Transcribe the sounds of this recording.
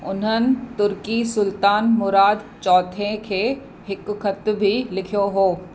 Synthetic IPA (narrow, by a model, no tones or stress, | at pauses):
ʊnɦən̆t̪ʊɾkisʊlt̪aːnmʊɾaːd̪t͡ʃɔːt̪ʰẽkʰe | hɪkkʰət̪bʱilɪkʰjoɦoː